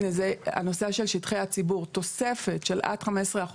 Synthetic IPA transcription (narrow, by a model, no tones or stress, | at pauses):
nezea̰no̞saʃe̞lʃitχejhat͡sibuʁt̪o̞sefe̞tʃelʔa̰tχamesʁeaχ